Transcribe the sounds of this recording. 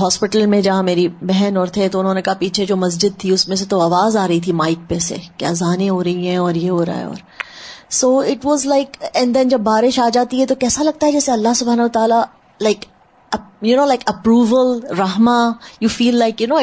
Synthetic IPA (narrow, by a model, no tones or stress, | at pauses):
ɦɔːspɪʈəlmẽd͡ʒɐɦãmeːɾibɛɦɛnɔːɾt̪ʰet̪oʊnɦõːnekaɦapiːt͡ʃʰed͡ʒoːmɐs̬d͡ʒɪd̪̚t̪ʰiʊsmẽs̬et̪oaːʋaːzaːɾɐit̪ʰimaːɪk̚pesḛkeɐzaːnẽɦoːɾɐɦiɦɛ̃ɔːɾjeɦoːɾa̰ːɛ̰ɔ̰ːɾ | soːɪʈʋɔːzlaɪkɛ̃ɳd̪ɛ̃nd͡ʒɐbːaːɾɪʃaːd͡ʒaːt̪iɦɛt̪okɛːsalɐɡ̚t̪aɦɛd͡ʒɛːseɐlːaɦsʊbʱaːnɐɦʊʋət̪aːla | laɪk | junoːlaɪkəpɾuːʋəlɾɐɦmajuːfiːlːaɪkjunoː